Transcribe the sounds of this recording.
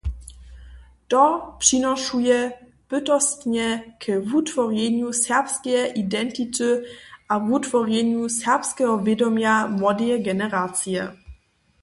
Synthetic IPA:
tɔpʂinɔʂujɛ | b̥ɘtɔstɲɛkʰɛvutfɔʁjɛɲjusɛʁpskɛɛʔidɛntitɨʔavutfɔʁjɛɲusɛʁpskɛɦɔvʲjedɔmjamwɔdɛɡɛnɛʁat͡sjɛ

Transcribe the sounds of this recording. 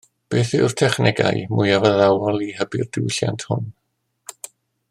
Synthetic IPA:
b̥eːθɪʊr̥tʰɛχnɛɡa̰jmʊjavəðawɔlˠihəbɪrd̥ɪwɬja̰ntʰhʊ̰n

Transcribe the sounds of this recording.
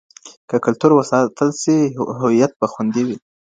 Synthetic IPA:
kəkʊlt̪uɾwəsɑt̪əlsiɦʊwijat̪̚baxund̪iwi

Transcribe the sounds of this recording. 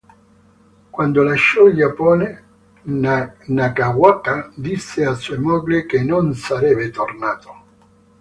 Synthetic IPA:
kwand̪olaʃːɔild͡ʒapɔːne | nakawakad̪isːɪasuɔjmɔɡlikenonsaɾɛːbet̪ornaːt̪o̥

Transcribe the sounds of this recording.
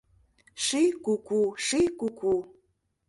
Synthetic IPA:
ʂikukuʂikukʰu

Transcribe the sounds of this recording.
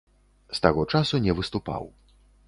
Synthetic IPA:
st̪aɣɔt͡ʂasunʲɛvɨst̪upa̰w

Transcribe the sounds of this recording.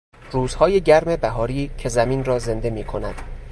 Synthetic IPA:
ruːz̥hɒːje̞ɟæɾme̞bæɦɒːɾiːcʰe̞zæmiːnrɒːze̞nd̪e̞miːkʰo̞næd̪̥

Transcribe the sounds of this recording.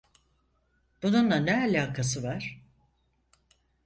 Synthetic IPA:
b̪̥ununlanɛalʲaːkʰasɯvaɾ̥

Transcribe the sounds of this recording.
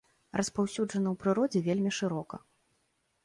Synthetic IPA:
rʔɐspawsʲuʐɐnɐwpɾɨɾɔd͡zʲɛvʲelʲmʲiʂɨɾɔkɐ̰

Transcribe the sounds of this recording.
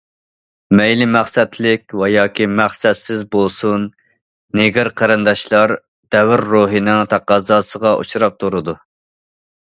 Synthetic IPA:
mɛjlɪmæχsɛt̪ʰlɪkʲwɛjɑːkʲʰimæχsɛt̪sɪzbolˠsunː | eɡʲɪɾqʰɑɾɨnd̪ɑʃlˠɑɾ | d̪̥ɛwɾːoːɦɨnɪŋt̪ʰɑqɑːzɑːsəʁɑʔṵʃuɾɑp̚t̪ʰuɾɨd̪u

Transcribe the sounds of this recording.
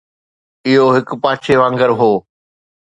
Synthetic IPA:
ɪɦoɦɪkpãːt͡ʃʰeʋãːŋɡəɾɦoː

